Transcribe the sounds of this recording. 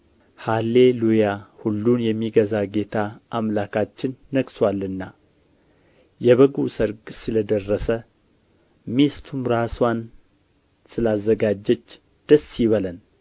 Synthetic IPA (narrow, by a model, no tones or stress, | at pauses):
halːe̞lujahulːunjɛmːiɡəzaɡe̞t̪ʰaʔamlakʰat͡ʃːɪnːəɡswalːɨnːa | jɛβəɡusəɾɡsɨləd̪ərːəsə | mist̪ʰumɾaswan | sɨlazːəɡad͡ʒːɛt͡ʃː | d̪̥əsjiβələn